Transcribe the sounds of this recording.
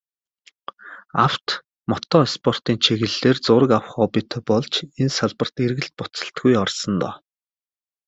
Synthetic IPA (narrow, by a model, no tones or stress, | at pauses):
aw̥t̪ | mɔt̪ɔespʰɔr̥t̪iːnt͡ɕʰeɣɘ̆ɮːeːrt͡sʊːɾə̆kawχɔːpit̪ʰepɔɮt͡ɕensaɮpə̆r̥t̪erɣɘ̆ɬt̪̚pʊt͡sə̆ɬt̪ɡujɔrsɞ̆nt̪ɔ̰ː